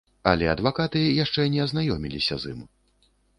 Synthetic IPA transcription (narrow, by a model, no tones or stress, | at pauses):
ɐ̰lʲɛɐd̪vakat̪ɨjaʂt͡ʂɛnʲɛɐznajɔmʲilʲisʲɐ̰zɨ̰m